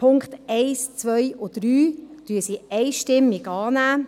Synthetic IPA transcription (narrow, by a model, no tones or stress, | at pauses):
pʰʊŋktɛɪst͡sʋœjʔʊd̥ɾyːtyːəsiɛɪʃtɪmːikɑːnæː